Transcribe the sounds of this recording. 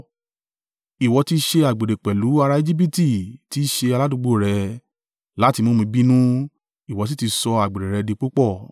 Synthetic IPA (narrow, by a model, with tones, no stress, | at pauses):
i˨wɔ˧ti˧ʃe˧a˨ɡ͡be˨ɾe˨k͡pɛ˨lu˨˦a˧ɾa˧e˧d͡ʒi˦bi˦ti˦˨ti˨˦ʃe˧a˧la˦dũ˧ɡ͡bo˦˨ɾɛ˨˧ | la˨˦ti˧mõ˦mĩ˧˦bi˦nũ˦ | i˨wɔ˨˧t̬i˦ti˧sɔ˧a˨ɡ͡be˨ɾe˨ɾɛ˧de˧k͡po˦k͡pɔ˦˨